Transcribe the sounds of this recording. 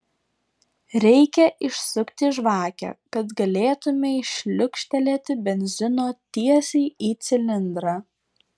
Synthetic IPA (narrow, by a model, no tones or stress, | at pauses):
ɾʲɛɪkʲɛʔɪʃsʊkt̪ʲɪʒʋɑːkʲɛ̰kɐt̪ɡɐlʲeːt̪ʊmʲeɪʃʲlʲʊkʃʲt̪ʲɛlʲeːt̪ʲɪbʲɛnʲzʲɪnoːt̪ʲiɛsʲɛɪiːt̪sʲɪlʲɪnd̪ɾɑː